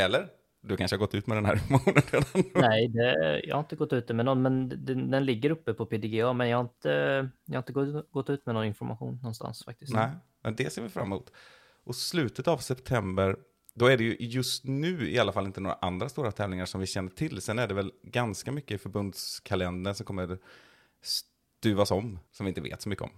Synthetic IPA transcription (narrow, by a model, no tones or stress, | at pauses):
ɛlːəɾ | d̪ɵkʰanʂəhaɡɔt̪ːʉ̟ːt̪mɛd̪ɛnæɾɪnfɔmaɧuːnəned̪annɛd̪ɛjɑ̰ha̰ɾɪnt̪ːəɡɔt̪ːʉ̟ːt̪əmɛnɔnːmɛnd̪ɛd̪ɛnlɪɡːəɾɵpːəpʰɔpʰed̪ɪɡeɑmɛnjɑhaɪnt̪əjɑhaɪnt̪əɡɔɡɔt̪ːʉ̟ːt̪mɛnoːɾaɪnfɔɾmaɧṵːnːɔnst̪a̰nsfa̰k̚t̪ɪsnɛ | mʔɛnd̪ɛseːvɪfɾa̰mːuːt̪ | ʔɔslʉ̟ːt̪ət̪avsɛpt̪ʰɛmbəɾ | d̪ɔæɖɛjɵʔjɵst̪nʉ̟ːɪ̰alːafalːɪnt̪ənoːɾaʔand̪ɾast̪uːɾat̪ʰɛːvlɪŋaʂɔmvɪɕɛnːəʈʰɪlːsɛnæɖɛvɛlɡanskamʏkːəɪfœɾbɵnd̪skʰalɛnd̪əɳʂɔmkʰɔmːəɾ | s | t̪ʉ̟ːvasɔmːsɔmvɪnt̪əvḛːt̪sɔmʏkːəɔ̰m